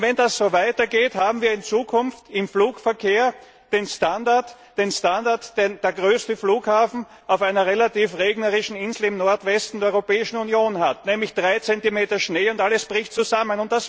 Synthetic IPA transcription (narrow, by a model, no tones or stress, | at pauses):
vɛndasz̥oːvaɪtɐɡeːthaːbm̩viːɐɪnt͡suːkʰʊnftɪmfluːkfɛɐkʰeːɐ | d̥eːnstandaɐt | d̥eːnstandaɐtd̥edeːɐɡʁøːstəfluːkhaːfn̩ | aʊfaɪnɐʁelatiːfʁeːɡnəʁɪʃn̩ɪnzl̩ɪmnɔɐtvɛstn̩dɛɐɔʏʁopɛːɪʃn̩unjoːnhatnɛːmlɪçd̥ʁaɪt͡sɛntimeːtɐʃneːʊntʔaləsb̥ʁɪçtt͡suzamənʊntd̥as